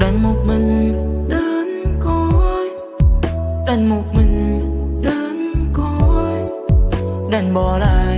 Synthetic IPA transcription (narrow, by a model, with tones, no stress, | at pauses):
ɗə˨˩nmo˨˩t̚mï˨˩ŋ̟ɗəː˧nkɔ˧j | ɗə˨˧˩nmo˨˩t̚mï˨˩ŋ̟ɗəː˧nkɔ˧j | ɗa˨˧˩nɓɔ˨˩laː˧˨˩